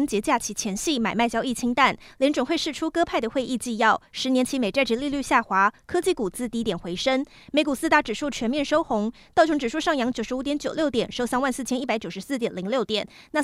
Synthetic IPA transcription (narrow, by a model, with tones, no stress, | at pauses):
ə˥ŋt͡ɕjɛ˧˥t͡ɕja˥˩t͡ɕʰi˧˥t͡ɕʰjɛ˧˥nɕi˥˩ma˨˩ɪma˥˩ɪt͡ɕjɑ˥ʊi˥˩t͡ɕʰi˥ŋt̪a˥˩nljɛ˧˥nʈ͡ʂʊ˨˩ŋxwe˥˧ɪʂɻ̩˥˩ʈ͡ʂʰu˥kɤ˥pʰa˥˩ɪd̪ə˩xwe˥˧ɪʔi˥˧t͡ɕi˥˧jɑ˥˩ʊʂɻ̩˧˥njɛ˧˥nt͡ɕʰi˧˥me˨˩ɪʈ͡ʂa˥˩ɪʈ͡ʂ̩˧˥li˥˧ly˥˧ɕja˥˩xwa˧˥kʰɤ˥t͡ɕi˥˧˩ku˨˩t͡sɹ̩˥t̪i˧˥t̪jɛ˨˩nxwe˧˥ɪʂə˥ŋ | me˧˥ɪku˨˩sɹ̩˥˧t̪a˧˥˩ʈ͡ʂɻ̩˨˩ʂu˥˩t͡ɕʰɥɛ˧˥nmjɛ˥˩nʂo˥ʊxʊ˧˥ŋt̪ɑ˥˩ʊt͡ɕʰʊ˧˥ŋʈ͡ʂɻ̩˨˩ʂu˥˧ʂɑ˥˩ŋjɑ˧˥ŋt͡ɕjo˨˩ʊʂɻ̩˧˥u˧˥t̪jɛ˧˥nt͡ɕjo˨˩ʊljo˥˩ʊt̪jɛ˨˩nʂo˥˧ʊsa˥nwa˥˧nsɹ̩˥˩t͡ɕʰjɛ˥ni˥˩pa˧˥ɪt͡ɕjo˨˩ʊʂ̩ɻ̩˧˦sɹ̩˥˩t̪jɛ˨˩nli˧˥ŋljo˥˩ʊt̪jɛ˨˩˦n | na˥˩